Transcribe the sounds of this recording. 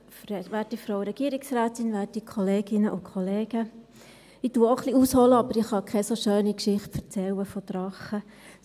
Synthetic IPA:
fɾɛʋæːɾtifɾoʊɾɛɡ̥iəɾɪksɾæːtɪnʋæːɾtikʰɔleːɡ̥ɪnəʔʊkʰχɔleːɡ̥ə | ituːəoχliushɔləɑbəɾiχɑkʰɛsoʃøːnikʃɪχtfɛɾt͡sɛlːəfɔtɾɑχə

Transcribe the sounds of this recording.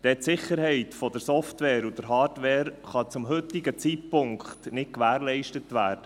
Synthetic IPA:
d̥ɛtsɪχəɾɦɛɪtfɔd̪əɾsɔftʋɛːɾud̥̪əɾɦɑːɾdʋɛːɾχɑt͡sʊmɦɵt̪ːɪɡət͡sit̚pʊŋkχtnɪtkʋæːɾlɛɪʃtət̪ʋæːɾd̥ə

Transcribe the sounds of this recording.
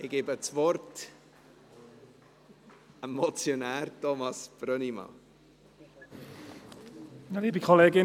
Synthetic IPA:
ɪɡ̥eːbət͡sʋɔrt | ɛmɔt͡sjonæːɾtɔmɑsb̥ɾœnimɑ̰ | nliːbikʰɔleːɡɪ

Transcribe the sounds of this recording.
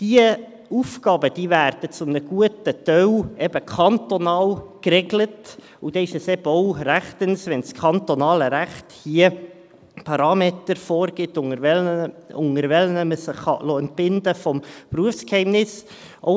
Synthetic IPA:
d̥iə | ufkɑːbəd̥iːvæːrd̥ət͡sʊmnəɡ̥uətət̪œwɛb̥əkʰɑnt̪onɑːlkrɛɡlət | ud̥̪ɛɪʃɛsɛbɔwɾæχt̪ənsʋɛnskʰɑntonɑːləɾæχthiə | pʰɑɾɑːmet̪əɾfɔːɾɡ̥ɪtʊŋəɛlʊŋəɾvɛlnəməsəχːɑ̰lɔɛnt̚b̥ɪnd̪əfɔmpruəfskhɛɪmnɪs | ʔɔ̰

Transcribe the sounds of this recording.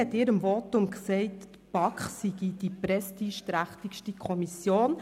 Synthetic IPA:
ɛt̪ɪːɾəmvɔtʊmksɛɪtː | pɑkχsiɡid̥ipɾɛstiːʃtɾæχtikʃtikʰɔmisjoːn

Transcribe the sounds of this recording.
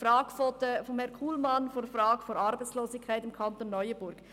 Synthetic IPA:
ɾɑːɡ̥fɔtəfɔmhɛɐnkʰuːlmɑnfoːfɾɑːɡ̥əfoɾɑɾbaɪt͡sloːsɪkʰːaɪtɪmkʰɑntonːɔʏəb̥ʊɾɡ̥

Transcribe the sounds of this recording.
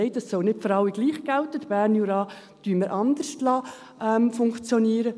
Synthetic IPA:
ɛɪt̚dɑsːɔlnɪtfɔɾɑlːiɡliːχɡ̥ɛltət̪b̥æːɾnjuɾɑː | d̥yːməɾʔɑnd̥̪əɾʃtlɑː | ʔɛmfʊŋkt͡sjɔniːɾə

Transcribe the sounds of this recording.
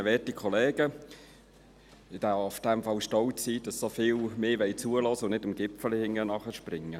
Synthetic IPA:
əʋɛːtikʰɔlɛːɡ̥ə | ɪd̥æːʊfd̥ɛmfɑlʃtɔlt͡sːiːd̥ɑsːofɪːlmeːʋɛɪt͡suːəlɔːsəʊnnɪdəmɡ̥ɪpfəlihɪŋːənɑχəɾʃprɪŋːə

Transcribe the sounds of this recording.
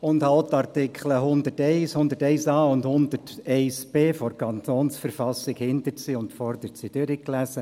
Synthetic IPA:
ʊndhaʊt̪ɑrtɪkχləɦʊnd̪ərtɛɪshʊnd̪əɾtɛɪsɑːʊndhʊnd̪ətɛɪsb̥eːfɔrkʰɑnt̪oːnsfəɾfɑsːɪkhɪnt̪əɾsiʊndfɔrd̪əɾtsid̥ʏɾiklæsə

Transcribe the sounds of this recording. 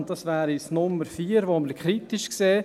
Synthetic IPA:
td̥ɑsvæːɾisnʊmːəɾfiːəɾʋoməɾkʰχɾitiʃkseː

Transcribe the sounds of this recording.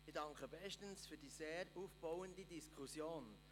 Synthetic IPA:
ɪdɑŋkəbɛʃtənsfyːd̥iːseːɾuːfb̥aʊəndidiskχusjoːn

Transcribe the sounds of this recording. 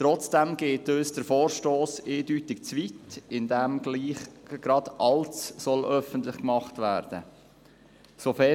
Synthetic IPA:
t̪ɾɔt͡sd̥ɛmɡ̥eːtøːsd̥əɾfoːɾʃtoːseːdytɪkt͡sʋitɪndɛmɡ̥liːχɡ̥ɾɑd̥̪ʔɑlt͡ssɔlʔœfən̩t̪lɪχkmɑχtvæːɾd̥ə | sofɛ

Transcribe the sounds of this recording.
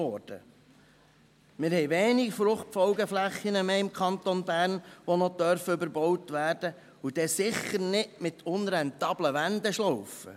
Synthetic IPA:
ɔrd̥ə̰ | mɪːɾhɛjʋeːnikfɾʊχtfɔʊɡəflæχːinəmeːɪmkʰɑnt̪ɔnbæːɾnʋɔnɔd̥̪œɾfəʏbəɾbɔwtʋæːɾd̥ə | ud̥ɛsɪχːəɾnɪʔmɪt̪ʰʊnɾɛnt̪ɑːbləʋænd̪ɛʃlɔwfə̰

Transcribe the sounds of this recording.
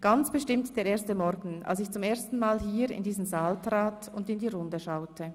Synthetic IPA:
ɡ̥ant͡sb̥əʃtɪmtd̥eːɾʔeːɐstəmɔɾɡn̩ʔa̰lsɪçt͡sʊmeːɐstn̩maːlɦiːɾɪ̰ndiːzn̩zaːltʁ̥aːt | ʊndɪndiːʁʊndəʃaʊtʰə

